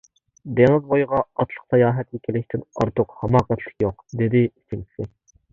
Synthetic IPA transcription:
d̪eŋɪzbojʁɑɑt̪ʰlˠə̥qsɑjɑːɦɛt̪jikʲʰilɪkʲt̪ʰɪnɑ̰ɾt̪ʰʊqhɑmɑːqæt̪ʰlɪ̥kʲjoqd̪ed̪ɪisɪŋt͡ʃʰisɪ

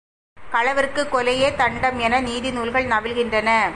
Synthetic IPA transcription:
kɐɭɐʋɐɾɯkːɯkːɔlɐjeːt̪ɐɳɖɐmɛnɐniːðɪnuːlɣɐɭnɐʋɪlɣɪndrɐnɐ

